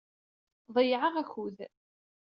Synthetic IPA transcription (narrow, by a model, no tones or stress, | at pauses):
ðˤəjʕəʁæçuð